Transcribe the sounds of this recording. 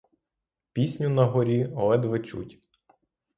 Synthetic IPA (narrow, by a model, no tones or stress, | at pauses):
pʲisʲnʲʊnɐɦɔɾʲiɔlˠɛd̪ʋɪt͡ʃṵtʲ